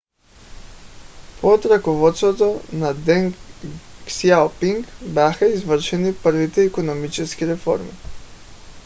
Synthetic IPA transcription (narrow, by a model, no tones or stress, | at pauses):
pot̪ɾakovɔt̪st̪vot̪onad̪ɛŋ | sialpiŋkbjaxaizvəɾʃɛnipəɾvit̪ɛɛkonomit͡ʃɛskiɾɛfɔ̰ɾmḭ